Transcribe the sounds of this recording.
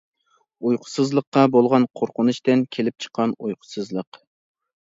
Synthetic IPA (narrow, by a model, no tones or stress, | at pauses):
ujqʰʊ̥sɨzlˠəqːɑbolˠʁɑnqʰoɾqʊnuʃt̪ɪnkʲʰelɪp̚t͡ʃʰə̥qʰːɑnujqʰʊ̥sɨzlˠəq